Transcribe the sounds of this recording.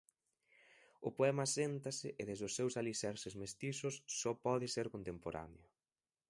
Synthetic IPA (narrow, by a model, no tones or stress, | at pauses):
ʊpoɛmasent̪asɪʔɪðezðʊsːewsalisɛɾsɪzmest̪isʊsːɔpɔðɪseɾkont̪empoɾa̰neʊ